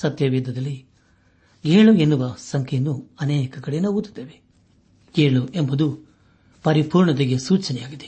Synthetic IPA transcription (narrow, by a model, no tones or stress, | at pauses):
sɐt̪jɐʋiːd̪ːɐd̪ɐlːi | ɡeːɭuenːuʋɐsɐŋkʰɛjɐnːuɐneːkɐkɐɽejɐnːɐuːt̪ːi̥d̪ːeːʋe | ɡeːɭuʔembud̪u | pɐɾipuːɾɳɐd̪eɡesuːt͡ʃɐnɛjaːɡid̪e